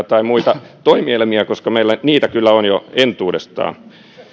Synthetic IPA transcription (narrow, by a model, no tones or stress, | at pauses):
t̪ɑimuit̪ɑt̪oimielmiækoskɑmeilːæniːt̪ækylːæonjoent̪uːdest̪ɑ̰ːn